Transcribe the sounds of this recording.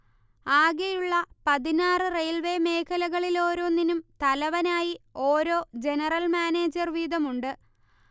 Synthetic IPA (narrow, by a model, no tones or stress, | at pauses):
aːɡejuɭːɐpɐðinaːrɨrejlʋe̞ːme̞ːkʰɐlɐɣɐɭilo̞ːɾo̞ːninumt̪ɐlɐʋɐnaːjio̞ːɾo̞ːd͡ʑe̞nɐrɐlmaːne̞ːd͡ʑɐrʋiːðɐmuɳɖɨ